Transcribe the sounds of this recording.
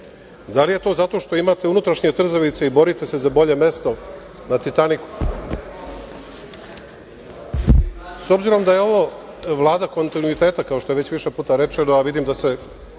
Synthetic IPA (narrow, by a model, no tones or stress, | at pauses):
d̪alije̞t̪ozat̪o̞ʃt̪o̞imat̪eunut̪ɾaʃɲe̞t̪r̩zaʋit̪seibo̞ɾit̪e̞se̞zabo̞ʎe̞me̞st̪o̞ | nat̪it̪aniku̥ | so̞bziɾo̞md̪aje̞o̞ʋo | ʋlˠaːd̪ako̞nt̪inuit̪e̞ːt̪akaoʃt̪oe̞ʋe̞t͡ɕʋiʃe̞puːt̪aɾe̞t͡ʂenoaʋid̪imd̪ase̞